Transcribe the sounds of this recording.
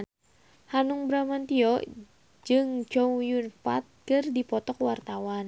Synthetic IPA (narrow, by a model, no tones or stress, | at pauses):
hanuŋbɾamant̪iɔ | d͡ʒɨŋt͡ʃɔjunfa̰t̪̚kɨrdipɔt̪ɔkwart̪awan